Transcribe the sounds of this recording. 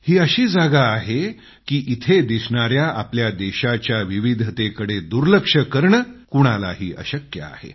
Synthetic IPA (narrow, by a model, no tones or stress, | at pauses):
hiːəɕiːd͡zaɡaːɦe | kiːʔit̪ʰed̪isɳaɾjaʔa̰pljad̪eɕat͡ɕjaʋiʋid̪ʱt̪ekəɽed̪uɾləkʂəkəɾɳəkuɽ̃ala̰ɦiːʔə̰ɕəkjə̰a̰hḛ